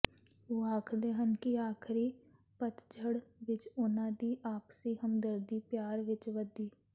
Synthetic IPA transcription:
oːaːkʰd̪eːɦənkiaːkʰɾi | pət̪d͡ʒʰʱəɽʋɪt͡ʃʊnãːd̪iʔaːpsiɦəmd̪əɾd̪ipjaːɾʋɪt͡ʃʋəd̪iː

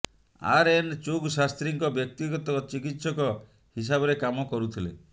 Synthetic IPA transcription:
a̰ɾent͡ʃoɡsast̪ɾiŋkɔbjɔk̚t̪iɡɔt̪ɔt͡ʃikit̪sɔkɔ | his̬abɔɾekamɔkɔɾut̪ʰilḛ

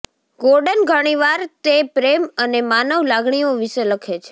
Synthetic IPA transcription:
ɡoɾɖənɡʱəɽ̃iʋaɾt̪epɾemənemanəʋlaɡɳijoʋiʃeləkʰet͡ʃʰe̥

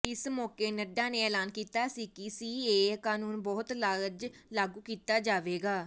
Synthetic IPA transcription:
ɪsmɔːkeːnəɖãːnẽːɛːlaːnkiːt̪aːsiːkɪsiːeːkaːnuːnbɔːt̪laːld͡ʒlaːɡuːkiːt̪aːd͡ʒaːʋeːɡaː

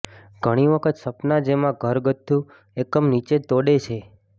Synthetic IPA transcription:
ɡʱəɽ̃iʋəkʰət̪səpnad͡ʒemãɡʱəɾɡət̪ʰːũ | ekəmnit͡ʃet̪oɽet͡ʃʰe

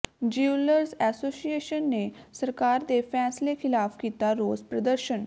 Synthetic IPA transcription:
d͡ʒiuləɾzɛːsoːsieːʃənːesəɾkaːɾd̪eːpʰɛːslekʰɪlaːpkiːt̪aɾoːzpɾəd̪əɾʃən

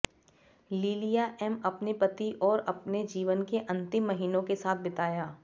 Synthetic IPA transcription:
liːlijaʔɛːmɐpnepɐt̪iʔɔːɾɐpned͡ʒiːʋənkeʔɐ̃nt̪ɪmːɐɦiːnõkesaːt̪̚ʰbɪt̪aːjaː

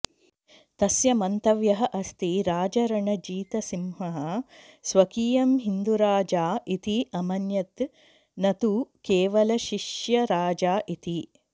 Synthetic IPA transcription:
t̪ɐsjɐmɐnt̪ɐʋjɐɦɐʔɐst̪iɾaːd͡ʒɐɾɐɳɐd͡ʒiːt̪ɐsimɦɐɦɐsʋɐkiːjɐmɦind̪uɾaːd͡ʒaːʔit̪iʔɐmɐnjɐt̪ | nɐt̪ukeːʋɐlɐʃiʂjɐɾaːd͡ʒaːʔit̪i

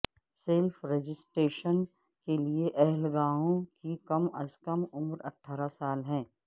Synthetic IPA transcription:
seːlfʰɾed͡ʒɪsʈɾeːʃən | kelieʔɛɦɛlɡaːõkikɐmɐ̰zkəmʊmɾɐ̰ʈʰːaːɾasaːlɦɛ̃ː

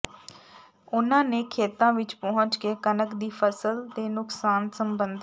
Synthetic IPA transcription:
ʊnãːneːkʰeːt̪ãːʋɪt͡ʃpɔɦʊ̃ɲt͡ʃkeːkənəkd̪iːpʰəsəlt̪eːnʊksaːnsəmbənd̪

